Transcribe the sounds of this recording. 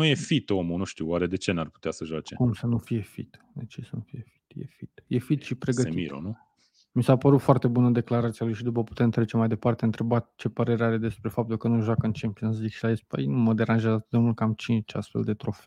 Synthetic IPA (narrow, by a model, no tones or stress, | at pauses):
nuje̞fit̪omunuʃt̪iwaɾe̞d̪e̞t͡ʃe̞narpu̥t̪easəʒoat͡ʃekumsənufije̞fit̪ | d̪et͡ʃesənufije̞fi̥t̪jḛfit̪jefit̪ʃipɾe̞ɡət̪iḭɾo̰nu | misapəɾut̪foart̪e̞bunəd̪e̞klaɾat̪sialujʃid̪upəpu̥t̪e̞mt̪ɾet͡ʃe̞majd̪e̞part̪e̞ɨnt̪ɾe̞bat̪t͡ʃe̞pəɾe̞ɾeaɾe̞d̪e̞spɾe̞fap̚t̪ulkənuʒwakəɨnt͡ʃe̞mpionat̪szikʃilaespə̰jnuməd̪e̞ɾanʒazat̪ɨt̪d̪eult̪̚kamt͡ʃint͡ʃa̰st̪fe̞ld̪e̞t̪ɾo̞fe